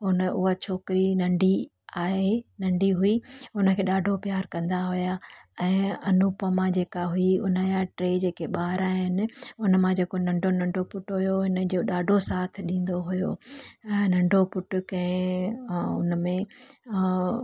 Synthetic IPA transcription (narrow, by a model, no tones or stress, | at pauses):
ʊnəʊɦat͡ɕʰoːkɪɾinɐ̃ɳɖi | aːɦenɐ̃ɳɖʱiɦuiʊnəkʰeːɗaːɖʱopjaːɾkɐ̃nd̪aɦʊjaɛ̃ːɐnupəmãd͡ʑeːkaɦuiʊnəjaʈɾeːd͡ʑeːkeɓaːɾaːɦɪnɪ̆ʊnəmãd͡ʑeːkonɐ̃ɳɖʱonɐ̃ɳɖʱopʊʈɦʊjoɦɪnə̆d͡ʑoɗaːɖʱosaːt̪ʰɪɗĩːn̆d̪oɦʊjõ̰ː | nɐ̃ɳɖʱopʊʈʊkɐ̃ɪ̃ | ʊ̰nəmẽ